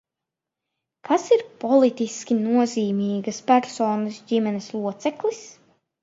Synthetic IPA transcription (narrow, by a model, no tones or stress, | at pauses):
kʰasiɾpɔlˠit̪iskʲinuɔziːmiːɡɐspæɾsoːnɨsdimɛneslˠuɔt̪sɛklˠis